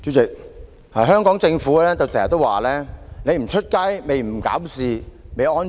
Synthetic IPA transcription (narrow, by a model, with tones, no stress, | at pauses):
t͡sy˨˥t͡sɪ˨k̚ | haː˨˩ɦœː˥ŋkɔː˨˥ŋt͡sɪ˧ŋfuː˨˥lɛː˥t͡so˨wsɛː˨˩jɐ˨˩t̪ːo˥wa̰ː˨˩lɛː˥ne˨˧jm̩˨˩t͡ʃʰɵ˥t̚ka˥jme˨jm̩˨˩ka̰ː˨˥wsiː˨˧me˨˧jʔɔː˥n